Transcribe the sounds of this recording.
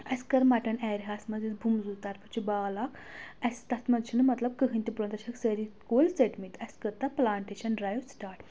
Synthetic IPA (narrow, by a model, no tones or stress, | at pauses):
ɐskɐɾmaʈɐnɛɾʲɦaːsmɐd͡zit͡sbʱumzut̪aːɾpət͡ʃʰibaːlak | ɐst̪ɐt̪mɐd̪t͡ʃʰinɨmɐt̪lɐb̚kəɦɨnʲt̪ʲipɾont̪ɐt͡ʃʰɐksəɾikoːlt͡seʈmit̪ɐskɐɾt̪aplaːɳʈeɕɐnɖɾajwsʈaːɾʈ